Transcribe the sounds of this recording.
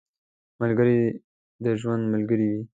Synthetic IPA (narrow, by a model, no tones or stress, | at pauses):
malɡəɾi | d̪əʒwand̪malɡəɾiwi